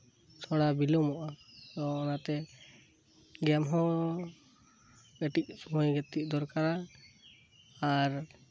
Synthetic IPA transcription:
sʰɔɽabilɔmɔʔatɔɔnat̪ɛ | ɡɛmɦɔ̃ | ɛʈic̚sɔmɔjɡɛt̪ic̚d̪ɔɾkaɾa | aɾ

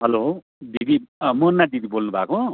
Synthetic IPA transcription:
ɦʌlo | did̪imunːad̪id̪ʱibolnubʱa̰ko

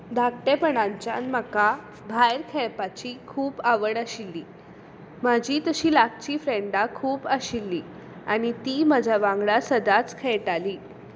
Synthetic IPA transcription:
d̪ʱak̚ʈepəɳãɲt͡ɕa̰nməka | bʱajɾkʰɛɭpat͡ɕiːkʰuːpaʋəɽaɕilːiː | mad͡ʑʱiːt̪əɕiːlak̚t͡ɕiːfɾeɳɖakʰuːpəɕilːiː | aɽ̃it̪iːmad͡ʑʱaʋãŋɡɭasəd̪at͡skʰejʈaliː

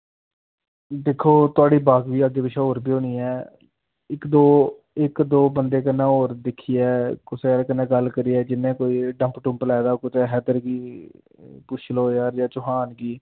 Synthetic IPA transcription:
d̪eːkʰːoːt̪ʊaːɖiːbaːkʋiːəɡeːbɪʃʰɛoːɾpiːõːniːɛː | ɪkd̪oː | ɪkd̪oːbənd̪eːkənːẽːoːɾd̪ɪkʰːiːɛːkʊsekənːẽːɡəlkəɾiːɛːd͡ʒɪnːẽːkoːiːɖə̃mpʈʊ̃mplaːd̪aːkʊt̪eːɦɛːd̪əɾɡiː | pʊʃʰloːjaːɾjaːt͡ʃʊɦaːnɡiː

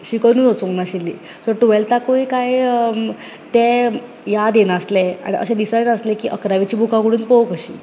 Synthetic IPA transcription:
ɕikənuːnot͡soŋɡnaɕilːḭː | soɾʈuʋelt̪akoikaj | t̪ɛ | jad̪enaslɛa̰ɽ̃iʔə̰ɕẽd̪isajdəslekiːʔəkɾaʋit͡ɕiːbʱukakəɽuːnpowkəɕḭː

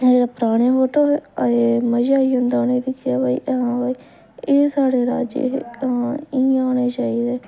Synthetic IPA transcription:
d͡ʒeːɽaːpɾaːɽ̃eːɦoːʈoeməd͡ʒaːiːɦʊ̃nd̪aːneːd̪ɪkʰɪjaːbaːḭːʔɦãːbaːiː | eːsaːɽeːɾa̰ːd͡ʒḛ̃ | ĩːaːneːt͡ʃaːiːd̪eː

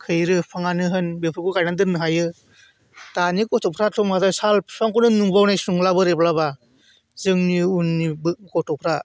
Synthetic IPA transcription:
kʰɯjɾɯpʰaŋanɯɦɯnbepʰɯkukajnandɯnɯɦajɯ | tanikɔtʰɔpʰɾatʰɔmkazasalsɔŋkunɯnuŋbawnajsuŋlabɯɾeplaba | zɯŋniunːibɯkɔtʰɔpʰɾa

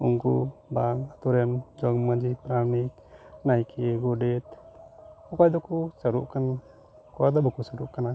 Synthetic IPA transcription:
uŋkṵbaŋat̪uɾɛmd͡ʒɔŋməd͡ʒipɾamik̪ | najkʰeɡudet̪̚ | kɔkajd̪ɔkusəɾṵʔkan | kɔad̪ɔbakusəɾṵʔkana

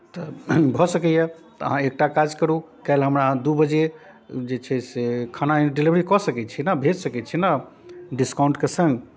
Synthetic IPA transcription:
t̪ɔbʱɔsəkɛjɛ | t̪ɔə̰ɦãek̚ʈakad͡ʒkəɾu | kaelɦəmɾad̪ubəd͡ʒe | d͡ʒet͡ʃʰɛsekʰanaɖilibʱəɾikɔsəkɛt͡ʃʰinəbʱed͡ʒsəkɛt͡ʃʰina | ɖiskaw̃ɳʈkesə̃ŋɡ

